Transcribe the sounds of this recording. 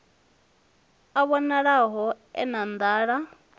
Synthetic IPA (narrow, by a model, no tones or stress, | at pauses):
aβɔnaɺaɦɔ | ɛ̰nand̪aːɺa